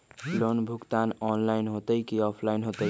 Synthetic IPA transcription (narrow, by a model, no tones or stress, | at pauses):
lonbʱukt̪anɔnlainɦot̪əjkiɔpʰlaɪnɦot̪əj